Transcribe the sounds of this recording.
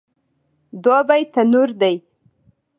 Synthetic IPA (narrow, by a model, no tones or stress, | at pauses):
d̪wɑbajt̪anuɾd̪aj